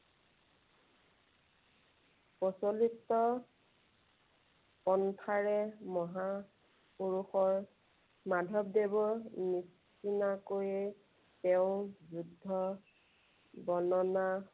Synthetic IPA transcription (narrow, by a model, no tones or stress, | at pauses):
pɔsɔlitɔ | pɔntʰaɹɛmɔɦa | puɹuxɔɹ | madʱɔb̚debɔnis | inakojɛ | teʊzudʱːɔ | bɔnɔna